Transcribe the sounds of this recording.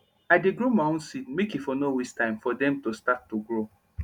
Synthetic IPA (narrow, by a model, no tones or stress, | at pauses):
aɪdeɡɹomaõnsit̚mekifonowistãɪ̃mfɔdɛ̃mtostat̚tuɡɹo